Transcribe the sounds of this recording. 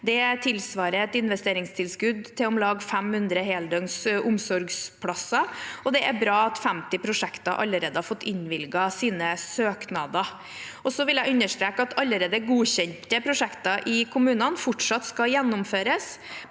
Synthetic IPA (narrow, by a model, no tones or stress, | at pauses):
d̪ɛt̪ʰɪlsʋɑːɾəɛt̪ɪnʋɛst̪eːɾɪŋst̪ʰɪlskʉd̪t̪ʰɪlɔmlɑːɡfɛmhʉnd̪ɾəɦeːld̪œŋsʔʊmsɔɾɡspʰlɑsːɑɔd̪ɛʔæɾbɾɑːɑt̪fæmt̪ɪpʰɾʊʂɛkt̪ɑʔɑ̰lːəɾeːd̪əhɑɾfɔt̪ːɪnʋɪlɡɑsiːnəsøːknɑd̪ɑ | ʔɔsɔʋɪljæɪʉnəʂt̪ɾeːkəɑt̪ʰɑlːəɾeːd̪əɡuːɕɛnt̪əpʰɾʊʂɛkt̪ɑʔɪkʰʊmʉːnɑnfʊʈʂɑt̪skɑjɛnːʊmføːɾəs